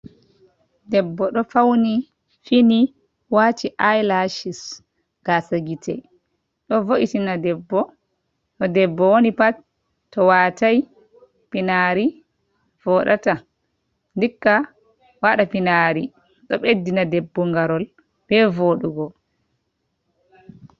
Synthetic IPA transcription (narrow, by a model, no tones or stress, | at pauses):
dɛbːɔɗɔfawni | fini | wat͡ʃiʔajlaʃis | ɡ̥asaɡitʰɛ̰ | ɗɔvoʔitinadɛbːɔ | tɔdɛbːɔwonipat | tːɔwataj | pinaɾi | v̥ɔɗa̰ta | ndikːa | waɗapinaɾi | ɗɔɓedːinadɛbːɔŋɡaɾɔl | b̥ɛvoɗuɡɔ